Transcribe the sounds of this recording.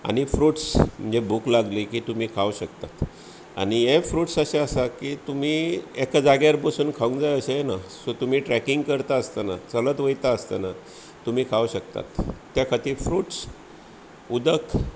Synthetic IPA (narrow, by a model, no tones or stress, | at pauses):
a̰ɽ̃ifɾuːʈsm̤əɳd͡zebuklaɡlikiːt̪um̤iːkʰauɕəkt̪at̪ | a̰ɽ̃ijefɾuːʈsəɕeəsakiːt̪um̤iːekad͡zaɡjaɾpəsuːnkʰaũŋkd͡zajəɕejenasot̪um̤iːʈɾækiŋɡkəɾt̪aəst̪anat͡sələt̪ʋəjt̪aəst̪ana | t̪um̤iːkʰauɕək̚t̪a̰t̪ː | jakʰat̪iːɾfɾuːʈs | ud̪ək